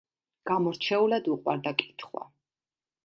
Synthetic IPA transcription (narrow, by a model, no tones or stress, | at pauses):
ɡ̥amɔɾt͡ʃʰɛulad̪uqʼwa̰ɾd̪akʼi̥t̪ʰχwa̰